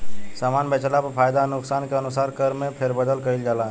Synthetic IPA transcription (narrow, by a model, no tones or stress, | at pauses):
saːmaːnbeːt͡ʃlapɐpʰaːjd̪anʊksaːnkeɐnʊsaːɾkəɾmẽpʰeɾbəd̪əlkəɾild͡ʒaːlaɦɛ̃